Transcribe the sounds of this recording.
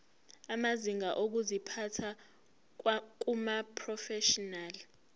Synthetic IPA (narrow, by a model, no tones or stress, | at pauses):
amaziŋaʔok̬uzipʰatʰa | k̬umapʰrɔfɛʃɔnaːli